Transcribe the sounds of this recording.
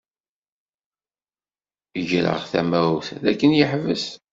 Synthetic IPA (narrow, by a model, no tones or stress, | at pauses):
əʝɾə̰ʁθæ̰mæuθðækːənjəħvəs